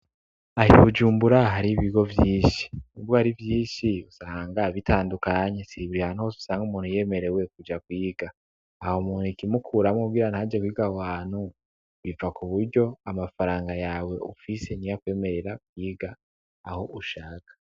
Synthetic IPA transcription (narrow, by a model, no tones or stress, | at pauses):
ahiβud͡ʒuːmbuɾaɦaɾiβiɡo̞vjiːʃi̥nibɡohaɾivjiːnʃiusaːŋɡaβitʰaːndukaːɲe̞siβuɾihanuosu̥saːŋɡumuːnhuje̞ːme̞ɾe̞we̞kud͡ʒakwiːɡaː | homuːnhikimukʰuɾamokuɡiɾanhad͡ʒe̞kwiːɡawaːn̥hu | βivakuβuɾɟo̞amafaɾaːŋɡajaːwe̞ʔufise̞nijakwe̞ːme̞ɾe̞ɾakwiːɡaː | ho̞ʔuʃaːkḁ